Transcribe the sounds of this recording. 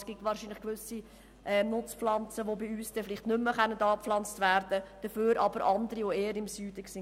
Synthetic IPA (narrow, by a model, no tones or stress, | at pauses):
sɡ̥itʋɑːɾʃinləχkʋʏsi | ʔɛnʊt͡sflɑnt͡səʋobiyːsd̥ɛflɪχtnʏmːəχœnːədɑːpflɑnt͡stvæɾd̥əd̥əføːɾʔɑ̰b̥əɾʔɑndəɾiʋoeːəɾɪmsyːd̥əksɪ